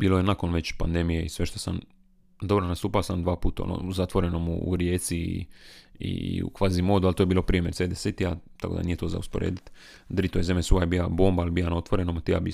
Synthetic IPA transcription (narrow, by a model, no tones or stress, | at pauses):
biːlojenako̞nʋet͡ɕpand̪emijeisʋeʃt̪osam | d̪o̞bɾonast̪uːpalosamd̪ʋaːpuːt̪ao̰no̰zat̪ʋo̞ɾe̞nomṵṵɾjeːt̪si | ḭṵkʋazimo̞ːd̪ualt̪oːjbiːlo̞pɾiːemjeɾsed̪eset̪iat̪akod̪a̰niːje̞t̪o̞ːza̰uspoɾḛːd̪it̪ | d̪ɾit̪ojezemesuajebiːlaboːmbalbijanaot̪ʋoɾenomat̪ija̰bi